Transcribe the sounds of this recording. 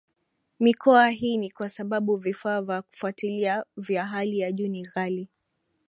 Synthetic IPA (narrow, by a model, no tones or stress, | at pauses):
mikɔaɦiːnikwasaɓaɓuvifaːvjaku̥fwatiliavjaɦalijaʄuːniɣali